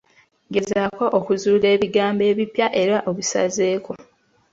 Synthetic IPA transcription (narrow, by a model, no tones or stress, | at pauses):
ɡe̞zakoʔokuzuːle̞ːβiɡaːmbe̞ːβipjaʔe̞ɾaʔoβusa̰ze̞ːko̞